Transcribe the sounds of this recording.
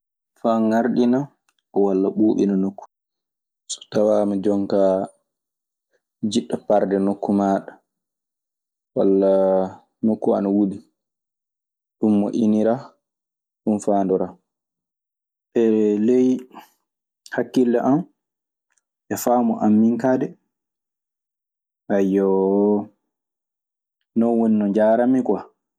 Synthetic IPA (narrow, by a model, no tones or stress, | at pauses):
faŋaɾɗina | ɔwalːaɓuːɓḭnanokːu̥ | sɔ̥tawamad͡ʒɔŋka | d͡ʒiɗːɔpaɾdɛnokːumaːɗḁ | walːa | nokːua̰nawudi | ɗumːɔʔiniɾa | ɗumfaːndɔɾa | ʔɛlɛj | hakːilːɛʔam | ʔɛfaːmɔʔamːiŋkaːdɛ | ʔajːɔ | nɔnwɔninɔɲd͡ʒaɾamika